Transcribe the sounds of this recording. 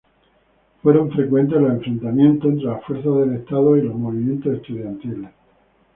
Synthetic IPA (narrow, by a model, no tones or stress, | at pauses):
fwe̞ɾõ̞ɱfɾe̞kwe̞nt̪̬e̞lose̞ɱfɾe̞nt̪amjẽ̞nt̪oent̪ɾe̞lafwe̞ɾθazðe̞le̞st̪að̞oilo̞zmoβimjẽ̞nt̪osehst̪uðjant̪iles